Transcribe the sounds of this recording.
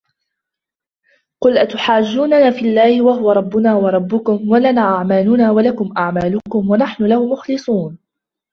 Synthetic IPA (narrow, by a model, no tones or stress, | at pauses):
qʊlʔat̪ʊħaːd͡ʒːuːnanaːfiʔalːaːhɪwahʊwaɾˤɑbːʊnaːwɑɾˤɑbːʊkʊmwalanaːʔaʕmaːlʊnaːwalakʊmʔaʕmaːlʊkʊmwanaħnʊlahʊmʊxlɨsˤuːn